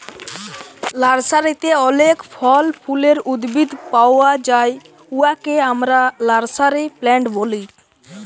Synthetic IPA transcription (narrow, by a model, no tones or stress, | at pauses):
laɾsaɾit̪eɔlekpʰɔlpʰuleɾud̪bid̪pawad͡ʑaj | uakeamɾalaɾsaɾiplɛɳʈboli